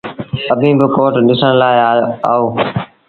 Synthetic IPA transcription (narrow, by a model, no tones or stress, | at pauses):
əbʱĩːbɪkoːʈɗɪsəɽ̃laːɪaa̰ːoː